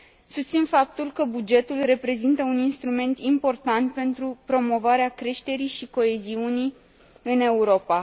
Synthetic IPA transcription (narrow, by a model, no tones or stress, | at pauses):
sust̪sinfap̚t̪ulkəbud͡ʒe̞t̪ulre̞pɾe̞zint̪əuninst̪ɾume̞nt̪impo̞rt̪ant̪̚pe̞nt̪ɾupɾo̞mo̞vaɾeakɾe̞ʃt̪e̞ɾiʃiko̞e̞ziunij | ɨne̞uɾo̞pa